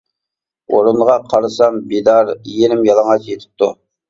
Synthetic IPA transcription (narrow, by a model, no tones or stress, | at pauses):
oɾunʁɑqʰɑɾɨsɑmbid̪ɑɾjenɪmjɑlˠɑŋɑt͡ʃjet̪ʰɪ̥p̚t̪u